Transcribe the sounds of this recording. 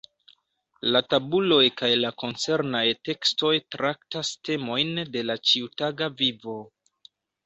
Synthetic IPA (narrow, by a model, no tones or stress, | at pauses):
latabulo̞jkajlako̞nt͡se̞ɾnajte̞ksto̞jtɾaktaste̞mo̞jnde̞lat͡ʃiutaɡavivo̞